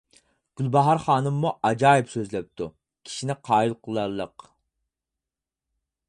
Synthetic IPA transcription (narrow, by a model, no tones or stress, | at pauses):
ɡ̥ʲylbɑɦɑɾχɑːnɨmːuʔɑd͡ʒɑːipsøzlɛp̚t̪ʰu | kʲʰi̥ʃinɪqʰɑːilˠqʰəlˠɑlˠːəq